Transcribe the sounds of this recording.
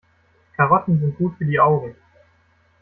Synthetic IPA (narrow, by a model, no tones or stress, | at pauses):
kʰaʁɔtn̩zɪnt̚ɡ̥uːtfyːɐdiːʔaʊɡŋ̩